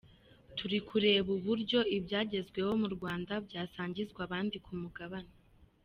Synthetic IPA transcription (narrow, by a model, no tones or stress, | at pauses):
tuɾikuɾe̞ːβuβuɾɟo̞ibɟaːɟe̞zɡwe̞wo̞muɾɡwaːndabɟaːsaːɲɟizɡwaβaːndikʰumuɡaβana